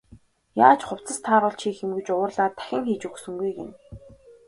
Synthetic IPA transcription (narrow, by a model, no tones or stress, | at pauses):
jaːt͡ɕχʊw̥t͡sə̆st̪ʰaːɾʊ̆ːɮt͡ɕʰiːxemɡɘ̆t͡ɕʊːrɮaːt̪ʰæ̥xʲɪ̆ŋxiːt͡ɕuksɵ̆ŋɡujɡḛn